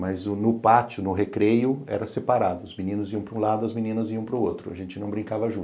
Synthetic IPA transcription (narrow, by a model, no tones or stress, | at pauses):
mɐzʊnʊpat͡ʃʊnʊɦekɾejʊɛ̰ɾɐsepaɾad̪ʊʊzminĩnʊziɐ̃w̃pɾũlad̪ʊɐzminĩnɐziɐ̃w̃pɾʊowt̪ɾʊɐ̰ʒẽnt͡ʃɪnɐ̃w̃bɾĩŋkavɐʒũ